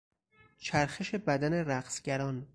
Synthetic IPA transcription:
t͡ʃʰæɾxeʃe̞bæd̪æneɾæqsɟ̥æɾɒːn

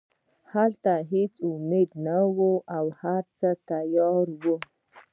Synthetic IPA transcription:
halt̪aɦet͡sʊmed̪̚nawuawhaɾt͡sət̪ajɑɾwu

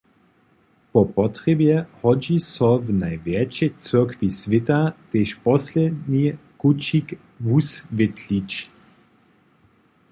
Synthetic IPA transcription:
pɔpɔt̪ʁɛbjɛhɔd͡ʑisɔvnajvjɛt͡ʃɛt͡sɛkvisʋɪtat̪eʃpɔslɛdnikut͡ʃik | vusvɛt̪lit͡ʃ

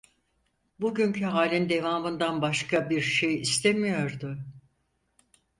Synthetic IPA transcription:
buɟyɲcʰyɦaːlʲind̪e̞vaːmɯnd̪anbaʃkabiɾʃe̞jist̪ʰe̞mijo̞ɾd̪ʊ

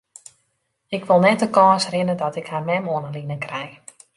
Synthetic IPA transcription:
ɪkʋɪlˠnɛt̚dəkɔːsrɪnədɔtɪkharmɛmoənəlinənkrɛj

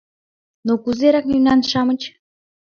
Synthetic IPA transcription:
nokuzeɾɑknʲynɑnʃɑmə̆t͡ɕ

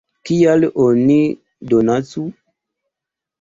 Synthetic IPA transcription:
kijaloni | donat͡su

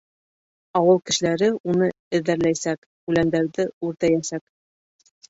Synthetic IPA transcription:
ɒwɤlˠkɘ̆ʃɘ̆læɾɘunɤ | ɘ̆ðːæɾlæjsæk | ʉlænd̪æɾðɘʉɾt̪æjæsæk

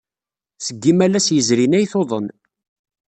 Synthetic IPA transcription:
səɡːimælæsjəzɾinæjθoðˤən

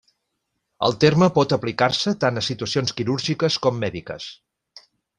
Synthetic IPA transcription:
ə̰lˠt̪erməpɔt̪əplikaɾsət̪anəsit̪uəsionskiɾuɾʒikəskɔmːɛðikə̰s

